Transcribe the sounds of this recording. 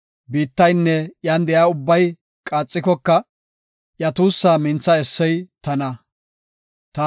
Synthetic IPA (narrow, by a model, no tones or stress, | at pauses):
biːt̪ːɐjnːɛjand̪ɛjaːʊbːɐj | kʼaːt͡sʼːɪkɔkːɐ | ʔjɐt̪uːsːaːmɪnt͡sːɐɛsːɛjt̪ɐnɐ | t̪ɐ